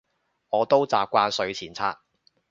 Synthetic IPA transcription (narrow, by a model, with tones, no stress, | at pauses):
ŋɔː˨˧t̪o˥wt͡saː˨p̚kʷaː˧nsɵ˨˧ɥt͡sʰiː˨˩nt͡sʰaː˧˥k̚